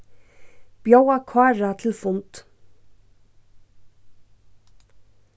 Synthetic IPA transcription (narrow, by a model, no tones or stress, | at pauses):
b̥jœwɑkʰʋɑːɹɑt̪ʰɪl̩fʊnt̪